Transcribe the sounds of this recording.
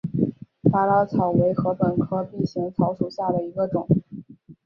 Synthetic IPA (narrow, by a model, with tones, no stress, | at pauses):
pa˥la˥t͡sʰɑ˨˩ʊwe˧˥ɪxɤ˧˥pə˨˩nkʰɤ˥pi˥˩nɕi˧˥ŋt͡sʰɑ˧˥ʊʂu˨˩ɕja˥˩d̪ə˩i˧˥ɡə˧ʈ͡ʂʊ˨˩˦ŋ